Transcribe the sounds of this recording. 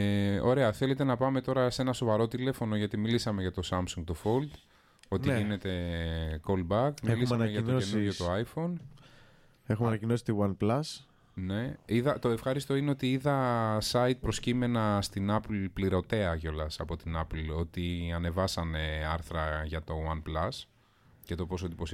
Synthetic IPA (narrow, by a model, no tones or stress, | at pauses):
o̞ɾe̞ɐθe̞le̞t̪e̞nɐpɐme̞t̪o̞ɾɐse̞nɐso̞vɐɾo̞t̪ile̞fo̞no̞ʝɐt̪imilisɐme̞ʝɐt̪o̞sɐmsuŋɡt̪ofo̞ld̪ | o̞t̪iʝine̞t̪e̞ko̞lbɐkmilisɐeʝɐnoenujot̪oɐjfo̞n | exumnɐcinosi̥t̪iwɐnplɐs | ne̞iðɐt̪o̞e̞fxɐɾist̪o̞ineot̪iiðɐsɐit̪̚pɾo̞scime̞nɐst̪inɐplpliɾo̞t̪e̞ɐco̞lɐsɐpo̞t̪inɐplo̞t̪iɐne̞vɐsɐne̞ɐɾθɾɐʝɐt̪o̞wɐnplɐs | cet̪o̞po̞s̬od̪ipos